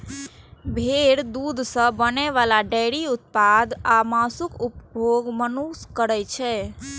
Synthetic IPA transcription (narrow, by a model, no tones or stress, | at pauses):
bʱeɾd̪ud̪ʱsə̃bənɛʋalaɖəɪɾiut̪̚pad̪ʱamasukupbʱoɡmənuskəɾɛt͡ʃʰɛ